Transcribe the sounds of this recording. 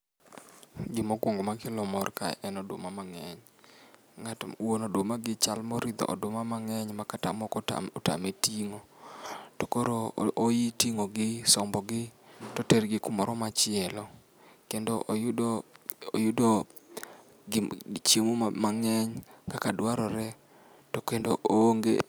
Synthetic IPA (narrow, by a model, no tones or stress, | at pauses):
ɡɪmokwɔŋɡomakɪlɔmɔrka̰ɛnɔdwo̰mamaŋɛɲ | ŋatwonodwomaɡɪt͡ʃalmɔɾid̪ɔ̰ʔɔ̰domamaŋɛɲmakata̰mɔkɔa̰ɔta̰metiŋotɔkoɾoojitiŋoɡɪsɔmbɔɡɪtɔtɛrɡɪkʊmɔɾɔmat͡ʃɪɛlɔ | kendoʔ | o̰jʊdo | t͡ʃjemumaŋɛɲkakadwaɾɔɾɛ | tokendo̰ʔoŋɡḛ